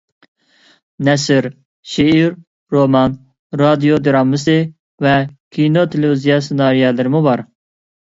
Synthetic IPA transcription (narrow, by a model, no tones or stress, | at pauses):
nɛsɨɾ | ʃeiɾː | omɑn | ɾɑd̪ijod̪iɾɑmːɨsi | vɛkʰinot̪ʰeleizijɑsinɑːɾijɑlɨɾmuvɑɾ